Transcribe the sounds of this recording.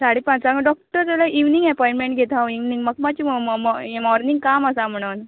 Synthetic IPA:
saɽepãt͡saɡaɖɔk̚ʈəɾt̪ɛlaʔiʋniŋɡɛpɔĩɳʈmẽɳʈɡʱet̪aoiʋniŋɡməɡmat͡ɕiː | mɔɾniŋɡkaməsam̤əɽ̃uːn

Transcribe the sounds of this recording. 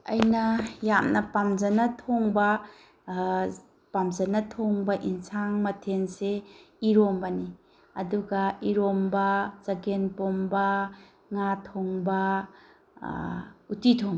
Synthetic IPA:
ɐ̰jnɐjamnɐpamzɐnɐtʰoŋbɐ | pamzɐnɐtʰoŋbɐʔinsaŋmɐtʰense | iɾombɐni | ɐduɡɐiɾombɐzɐɡenpombɐ | ŋatʰoŋbɐ | utitʰoŋ

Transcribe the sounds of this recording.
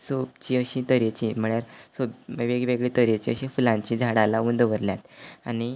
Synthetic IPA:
sobt͡ɕiəɕĩt̪əɾet͡ɕĩm̤əɭjaɾsobʋeɡʋeɡɭet̪əɾet͡ɕiəɕĩfulãɲt͡ɕĩd͡zʱaɽalaund̪ʋəɾljat̪ani

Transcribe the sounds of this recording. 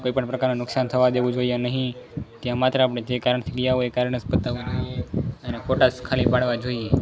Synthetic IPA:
koipəɳpɾəkaɾnũnʊksant̪ʰəʋad̪eʋũd͡ʒoianəɦĩt̪jãmat̪ɾəapɽ̃ed͡ʒekaɾəɳt̪ʰiɡəjaʋoekaɾəɳəspət̪aʋũd͡ʒoieənekʰoʈaskʰalipaɽʋad͡ʒoie

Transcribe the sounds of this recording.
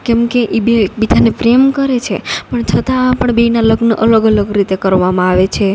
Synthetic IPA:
kɛmkeʔebebid͡ʒ̪ʱanepɾemkəɾet͡ʃʰepəɳt͡ʃʰət̪aapəɳbeinaləɡnəʔələɡələɡɾit̪ekəɾʋamãaʋet͡ʃʰe

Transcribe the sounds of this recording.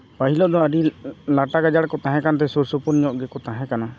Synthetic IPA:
paɦilɔʔd̪ɔ̃aɾilaʈaɡad͡ʒaɽkɔt̪ãɦɛ̃kant̪̬ɛsuɾsupuɾɲɔʔɡɛkɔt̪aɦɛ̃kana

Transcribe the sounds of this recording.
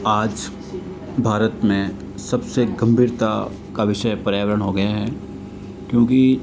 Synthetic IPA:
aːd͡ʒ | bʱaːɾət̪mẽ | sɐbseɡɐ̃mbʱiːɾt̪a | kaʋɪʃəjpɐɾjaːʋəɾəɽ̃ɦoɡɐjaɦɛ | kjõːki

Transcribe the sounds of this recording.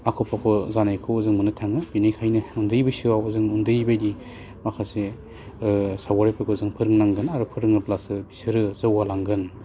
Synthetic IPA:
akʰɔpʰakʰozanajkʰɯɔzɯŋmɯnɯtʰaŋɯbinɯjkʰajnɯundɯjbɯsiwawɯzɯŋundɯjbajdi | makʰase | sawaɾepʰɯkʰozɯŋpʰɯɾɯŋnaŋɡɯnaɾupʰɯɾɯŋɯplasɯbisɯɾɯzɯwalaŋɡɯn

